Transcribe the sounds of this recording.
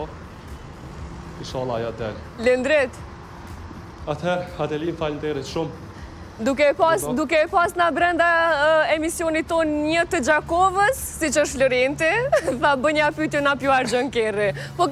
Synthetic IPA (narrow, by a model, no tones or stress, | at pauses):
iʃɔlˠajad̪ɛ̰llənd̪ɾɛt̪ | at̪hɛɾhad̪ɛlinfalnt̪eɾət̪ʃʊm | d̪ukɛpasd̪ukɛpasnabɾɛnd̪aɛmisjonit̪onɲət̪əd͡ʒakovəsːit͡ʃəʃləɾent̪ɛfabəɲapyt̪junapjuaɾd͡ʒəŋkɛrɛpɔ